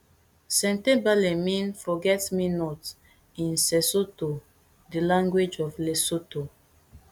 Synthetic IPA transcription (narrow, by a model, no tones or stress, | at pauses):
sɛ̃ntebalemĩnfɔɡɛtminɔt | ĩnsɛsoto | dilãŋɡwed͡ʒɔflesoto